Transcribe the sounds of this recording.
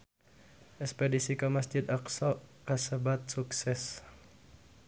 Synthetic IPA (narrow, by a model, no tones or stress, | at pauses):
ʔɛspɛdisikamasd͡ʒid̪aksɔkasəbat̪̚suksɛs